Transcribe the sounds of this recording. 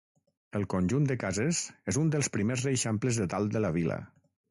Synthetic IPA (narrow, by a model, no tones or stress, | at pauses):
əlˠkonʲʒund̪əkazezezund̪əlˠspɾimesreʃampləzðət̪alˠd̪ələβ̞ilə̰